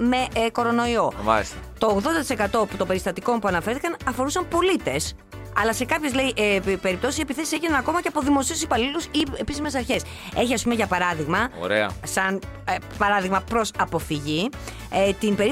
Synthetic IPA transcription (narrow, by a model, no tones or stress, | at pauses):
me̞ko̞ɾo̞no̞io̞mɐ̰lst̪ɐt̪o̞ːɣðo̞nd̪ɐt̪isekɐt̪o̞put̪o̞be̞ɾist̪ɐt̪iko̞mpuɐnɐfeɾθikɐnɐfo̞ɾusɐmpo̞lit̪e̞s | ɐlɐse̞kɐpçe̞zleiʔpe̞ɾip̚t̪o̞sisie̞piθe̞siseʝinɐnɐko̞mɐceɐpo̞ðimo̞siusipɐlilusiepisime̞sɐɾçe̞s | e̞çiɐs̬pume̞ʝɐpɐɾɐðiɣmɐo̰ɾḛɐ̰sɐnpɐɾɐðiɣmɐpɾo̞sɐpo̞fiʝi | et̪inbe̞ɾi